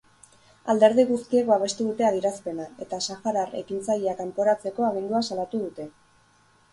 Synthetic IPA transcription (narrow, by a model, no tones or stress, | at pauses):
a̰ld̪e̞ɾð̞iɣust̪ie̞k̚baβ̞e̞st̪uðut̪e̞aðjiɾaspe̞nae̞t̪asaxaɾare̞̰kint͡sajeakampo̞ɾat͡se̞ko̞aɣ̞ind̪uasalat̪uð̞ut̪e̞